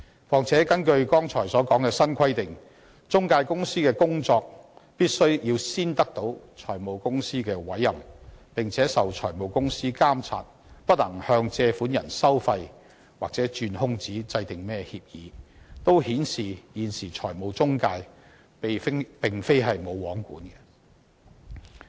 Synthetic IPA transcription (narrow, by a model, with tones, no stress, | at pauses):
fɔː˨˩ŋt͡sʰɛː˨˥kɐ˥nkɵ˧ɥkɔː˥ŋt͡sʰɔː˨˩jsɔː˨˥kɔː˨˥ŋkɛː˧sɐ˥nkʷʰɐ˥jt̪ɪ˨ŋ | t͡sʊ˥ŋkaː˧jkʊ˥ŋsiː˥kɛː˧kʊ˥ŋt͡sɔː˧k̚piː˥t̚sɵ˥ɥjiː˧wsiː˥nt̪ɐ˥k̚t̪o˨˥wt͡ʃʰɔː˨˩jmo˨˧wkʊ˥ŋsiː˥kɛː˧wɐ˨˥jːɐ˨˩mpɪ˨˩ŋt͡sʰɛː˨˥sɐ˨wt͡ʃʰɔː˨˩jmo˨˩wkʊ˥ŋsiː˥kaː˥mt͡sʰa̰ː˧t̚ | pɐ˥t̚lɐ˨˩ŋhœː˧ŋt͡sɛː˧fuː˨˥njɐ˨˩nsɐ˥wfɐ˧j | waː˨k̚t͡sɛː˨˥t͡ʃyː˧nhʊ˥ŋt͡siː˨˥t͡sɐ˧jt̪ɪ˨ŋmɛː˥hiː˧p̚jiː˨˦t̪o˥whiː˨˥nsiː˨˩jiː˨˩nsiː˨˩t͡sʰɔː˨˩jmo˨˧wt͡sʊ˥ŋkaː˧j | pe˨jfŋpɪ˨ŋfe˥jɦɐ˨jmo˨˧wwɔː˨˥ŋkuː˨˥nkɛ˧